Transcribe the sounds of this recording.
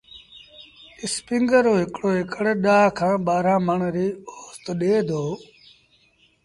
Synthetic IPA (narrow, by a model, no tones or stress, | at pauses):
ɪspɪ̃ŋɡəɾoːɦɪkɽoːɦɪkəɽeːɗaːkʰãːɓaːɾãːməɳɾiːoːst̪ɗeːd̪ʱoː